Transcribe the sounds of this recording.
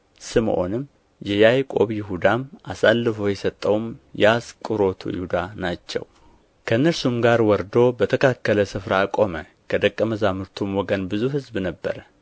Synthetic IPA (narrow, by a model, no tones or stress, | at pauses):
sɨmʔo̞̰nɨm | jɛjajkʼo̞̰βjɪɦud̪amʔasalːɨfo̞jɛsət̪ʼːəwmjɛaskʼɨɾo̞t̪ʰṵjɪ̰hud̪anat͡ʃːɛ̰w | kʰəɨnːəɾsumɡaɾwɔɾd̪o̞bət̪ʰəkʰakːələsɨfɾakʼo̞mə | kʰəd̪əkʼːəməzamɨɾt̪ʰumwɔɡənbɨzuɦɨzbnəbːə̰ɾə